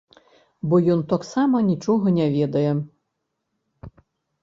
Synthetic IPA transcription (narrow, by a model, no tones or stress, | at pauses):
bɔjɔnt̪ɔksamɐnʲit͡ʂɔɦɐnʲɛʋʲɛd̪ɐjɛ